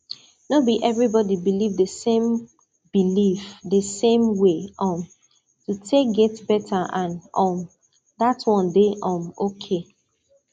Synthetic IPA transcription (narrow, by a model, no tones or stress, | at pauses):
nobiʔɛvɹibɔdibilivðəsẽm | b̥ilifdəsẽmweɔ̃m | tutʰek̚ɡɛtbɛtʰaʔãnɔ̃m | datwɔ̃ndeʔɔ̃mokʰe